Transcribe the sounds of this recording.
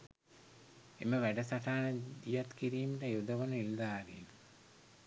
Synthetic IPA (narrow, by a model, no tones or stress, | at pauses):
eməʋæɖəsaʈaːnəd̪ijat̪kiɾiːməʈəjud̪əʋənəild̪aːɾḭn